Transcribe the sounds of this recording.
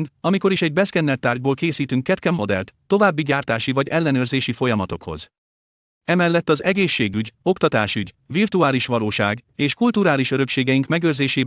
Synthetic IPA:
nd̪ɒmiko̞ɾiʃɛɟ̚bɛskɛnːɛt̪ːaːrɟboːlkeːsiːt̪yŋkːɛt̪kɛmːo̞d̪ɛ̰lt̪ːo̞vaːbːiɟaːrt̪aːʃivɒɟɛlːɛnøːrzeːʃifo̞jɒmɒt̪o̞kho̞̰z | ɛmɛlːɛt̪ːɒzɛɡeːʃːeːɡyɟo̞kt̪ɒt̪aːʃyɟvirt̪uaːliʃʋɒloːʃa̰ːɡeːʃkult̪uɾaːliʃø̞ɾø̞kʃeːɡɛjiŋkmɛɡøːrzeːʃeː

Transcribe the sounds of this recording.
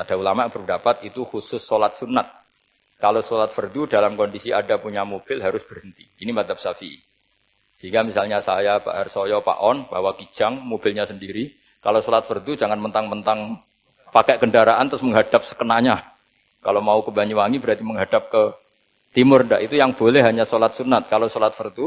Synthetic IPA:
pad̥aulamabərdapat̪̚it̪uxusʊsːolat̪̚sunat̪̚ | kalosolat̪̚fərd̪udalamkɔndisiadapuɲamob̥ɪlɦaɾʊsb̥ərɦənt̪i̥inimad̪ap̚safi | səɦiŋɡamisalɲasajaba̰ʔhaɾsojɔpa̰ʔɔnb̥aɦwaki̥d͡ʒ̥aŋmob̥ɪlɲasəndiɾi | kalosolat̪̚fərd̪u̥d͡ʒaŋanmənt̪aŋmənt̪aŋ | pakɛʔɡəndaɾaʔant̪ɾʊsməŋɦad̥ap̚sə̥kənaɲa | kalomaukəbaɲuwaŋibəɾat̪iməŋɦad̥ap̚kə | t̪imʊrnda̰ʔit̪ujaŋb̥olɛhɦaɲasolat̪̚sunat̪̚kalosolat̪̚fərd̪u

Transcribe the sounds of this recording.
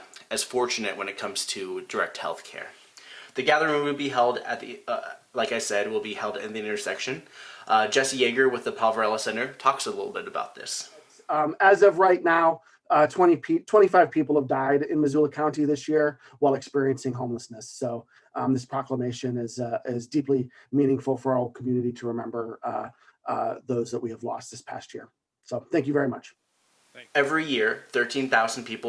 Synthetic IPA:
ɨz̥fɔɹt͡ʃɨnɨʔ̚wə̃nɨt̚kʰʌ̃mz̥tʰɨdə˞ɛ̰k̚t̚hɛ̰lˠθkʰɛ̰ɹ | ðɨɡæðə˞ɪ̃ŋwɨlˠbiɦɛlˠdɨ̰t̪̚ðilaɪkaɪsɛd̚wɪlˠbihɛlˠdɪ̰̃nðiɪ̃ɾ̃ə˞sɛkʃɨ̃nʔd͡ʒɛsijeɪɡə˞wɨðɨpʰɑvə˞ɛlˠəsɛ̃ñə˞tʰɔksəlɪɾl̩ˠbɪɾɨba̰ʊt̪̚ðɪ̰s | ɨzʌvɹaɪtⁿnaʊ | tʰw̥ɛ̃ɾ̃ipʰitʰw̥ɛ̃ɾ̃ifaɪv̥pʰipl̩ˠəvdaɪɾɪ̃nmɨzʉlˠəkʰãʊ̃ntiðɪsjɪɹ | waɪlˠɨkspɪɹiɨ̃nsɪ̃ŋɦõʊ̃mləsnɨsoʊ | ʔðɪspʰɹ̥ɑkləmeɪʃɨ̃nɪzɪzdiplimĩñɪ̃ŋfl̩ˠfə˞ɔl̩ˠkʰmjʉnɨɾiɾɨɹɨmɛ̃mbə˞ | ðoʊzðəʔ̚wiɨvlɔ̰st̪̚ðɪspʰæ̰st̚jɪ̰ɹ | soʊθæ̃ŋkjɨvɛɹimʌt͡ʃ | ɛvɹijɪɹθɜ˞tʰĩnθaʊzn̩pʰipl̩

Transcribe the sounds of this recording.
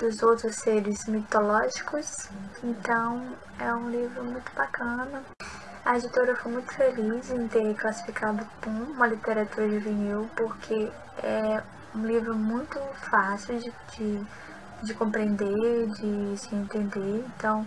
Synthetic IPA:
d̪ʊzowt̪ɾʊsːeɾɪzmit̪olɔʒikʊsẽnt̪ɐ̃w̃ | ɛũlivɾʊmũj̃t̪ʊbakɐ̃nɐ | ɐed͡ʒit̪oɾɐfojmũj̃t̪ʊ̥felizẽj̃t̪eɾklasi̥fikad̪ʊkõũmɐlit̪eɾat̪uɾɐʒuveniwpoɾkʰe | ɛ | ũlivɾʊmũj̃t̪ʊfasiwd͡ʒɪ | d͡ʒɪ | d͡ʒɪkõmpɾẽnd̪eɾd͡ʒɪsɪẽnt̪ẽnd̪eɾẽnt̪ɐ̃w̃

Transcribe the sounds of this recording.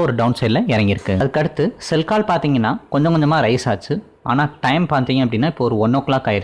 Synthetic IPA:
ɔɾɯɖɐʊnsɐɪlɐɪɾɐŋɡɪɾɯkːɯɐðɯkːɐɽɯt̪ːɯsɛlkaːlpaːɾt̪iːŋɡɐnːaːkɔɲd͡ʒɐ̃ŋkɔɲd͡ʒɐmaːɾɐɪsaːt͡ʃːɯ | a̰ːnaːʈɐɪmpaːt̪iːŋɡɐpːɐɽɪnːaːɪpːoːɔɾɯɔnːoːkːlaːkːaːjɪɾ

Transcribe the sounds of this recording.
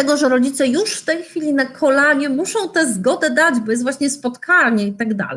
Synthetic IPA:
ɛɡɔʐɛɾɔd͡ʑit̪sɛjuʂft̪ɛjxfʲilʲinakʰɔlaɲɛmuʂɔ̃w̃t̪ɛzɡɔd̪ɛd̪ad͡ʑbɔjɛst̪vwaɕɲɛspɔt̪kʰaɲɛit̪aɡd̪a̰lɛ

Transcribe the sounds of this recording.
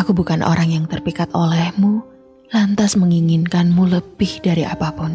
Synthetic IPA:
ʔakubukanʔo̰ɾaŋjaŋt̪ərpikat̪olɛhmu | lant̪asməŋiŋinkanmuləb̥ɪhdaɾiʔapapʊn

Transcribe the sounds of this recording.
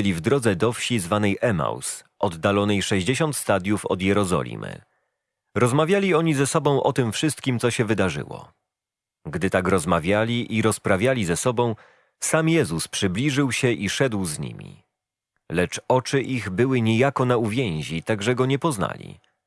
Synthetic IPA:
lʲivd̪ɾɔd̪zɛd̪ɔfɕizvanɛjʔɛma̰ws | ʔɔd̪ːalɔnɛjʂɛʑd͡ʑeɕɔnt̪st̪ad̪ʲjufɔ̰d̪jɛɾɔzɔ̰lʲḭmɘ̰ | ɾɔzmavʲjalʲiɔɲizɛsɔbɔ̃w̃ʔɔt̪ɘmfʂɘst̪kʲimt̪sɔɕɛvɘd̪aʐɘ̰wɔ̰ | ɡd̪ɘt̪akɾɔzmavʲjalʲiʔiɾɔspɾavʲjalʲizɛsɔbɔ̃w̃ | samjɛzuspʂɘblʲiʐɘwɕɛʔiʂɛd̪wzɲḭmʲḭ | lɛt͡ʂɔt͡ʂɘʔiɣbɘwɘɲejakɔnauvʲjẽj̃ʑit̪aɡʐɛɡɔɲɛpɔzna̰lʲḭ

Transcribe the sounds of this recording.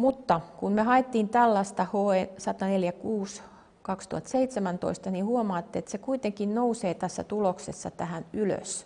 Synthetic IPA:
mut̪ːɑkunmehɑet̪ːiːnt̪ælːɑst̪ɑhoesɑt̪ɑneljækuːs | kɑkst̪uhɑt̪seit̪semænt̪o̰ist̪ɑnihuomɑːt̪ːeet̪sekuit̪eŋkinnouseːt̪æsːæ̰t̪uloksesːɑ̰t̪æhænylø̰s

